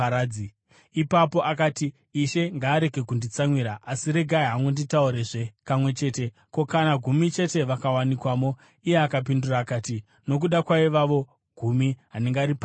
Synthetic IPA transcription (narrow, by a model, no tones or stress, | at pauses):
ɾaːi | ipapo̞ʔakaːtiː | ʃe̞ŋɡaːɾe̞ɡʱe̞kundit͡samwiɾaʔasiɾe̞ɡʱaeɦaŋɡonditauɾeʐe̞pamwe̞t͡ʃe̞ːte̞ | ko̞kanaɡʱumit͡ʃe̞te̞ʋakawanikwaːmo̞ | ije̞akapinduraːkaːti | no̞k̬uɗakwaiʋaʋo̞ | ɡ̥ʱumiɦane̞ŋɡaːɾipa